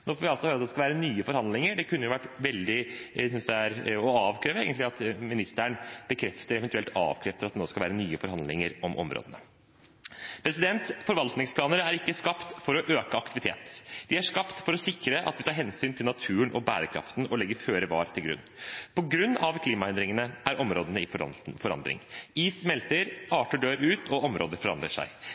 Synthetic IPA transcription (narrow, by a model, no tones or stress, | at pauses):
noːfɔːʋɪɑlt̪sɔhøːɾɑt̪d̪ɛskɑʋæːɾənyːəfɔɾhɑnd̪lɪŋəɖɛkʰʉnːəjʊʋæʈːʋɛld̪ɪsʏnsd̪ɛæɾɔɑːʋkʰɾeːʋəḛːɡənt̪lɪɑt̪mɪnɪst̪əɳb̥əkʰɾɛft̪əɾɛʋɛnt̪ʉɛlt̪ɑ̰ːʋkʰɾɛːft̪əɾɑt̪noːskɑlʋæːɾənyːəfɔɾhɑnd̪lɪ̰ŋəɾɔmʔɔ̰mɾo̰ːd̪ənə | pʰɾɛsɪd̪ɛnt̪fɔɾʋɑlt̪nɪŋspʰlɑːnəɾæɾɪkːəskɑpt̪fɔɾɔʔøːkəɑkt̪ɪʋɪt̪ʰeːt̪d̪ɪæʂkɑpt̪fɔɾɔsɪkːɾəʔɑ̰t̪ʋɪt̪ɑːɾɦɛnsyːnt̪ʰɪlnɑt̪ʰʉːənʔɔ̰bæ̰ːɾəkʰɾɑ̰ft̪nʔɔlɛɡːəɾføːɾəʋɑːɾt̪ʰɪlɡɾʉ̰nːpʰɔɡɾʉnːɑʋkʰliːmɑɛnd̪ɾɪŋənəʔæɾʔɔmɾoːd̪ənəɪffɔɾɑ̰nd̪ɾɪ̰ŋiːsmɛlt̪əɾɑːʈəɖøːɾʉːt̪ʰɔʔɔmɾoːd̪əɾfɔɾɑ̰nd̪ɾəʂæ̰ɪ